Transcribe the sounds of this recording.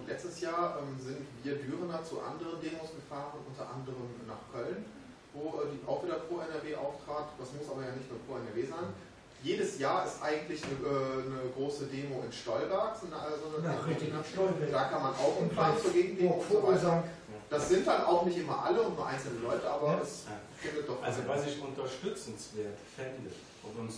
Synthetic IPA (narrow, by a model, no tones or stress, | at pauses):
lɛt͡stəsjaːɐʔɛːmzɪntv̥iːɐdyːʁənat͡sṵʔa̰ndəʁəndeːmosɡ̥əfaːʁənʔʊntɐʔa̰ndəʁəmna̰ːχkʰœln | voːʔɛːdiːʔa̰ʊxviːdɐpʁ̥oːɛnɛɐveːʔa̰ʊftʁ̥aːtd̥asmʊsʔaːbɐjaːnɪçtnuːɐpʁ̥oːɛnɛɐveːzaɪn | jeːɾəsjaːɐɪstʔaɪɡŋ̩tlɪçnəʔɛːnəɡʁoːsədeːmoɪnʃtɔlvɛɐkz̥nzɔndɐnaɪɪaʃɔlvɛd̥aːkʰanmanʔa̰ʊxɪnpʰl̥aːnt͡suoɐɡeːɡŋ̩deːfovaza | d̥asz̥ɪnt̚d̥ana̰ʊxnɪçtʔɪmɐ̰ʔa̰ləʊntnuːɐʔa̰ɪnt͡sl̩nəlɔʏtəʔaːbɐɛs | fɪndət̚d̥ɔχʔa̰lzovasɪçʊntɐʃtʏt͡sn̩sv̥eːɐtfɪndə | ʔɔpʊn